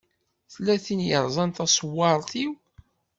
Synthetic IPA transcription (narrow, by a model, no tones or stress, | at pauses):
θəlːæθinjəɾˤzˤɑnt̪ɑsˤwːɑɾˤθiw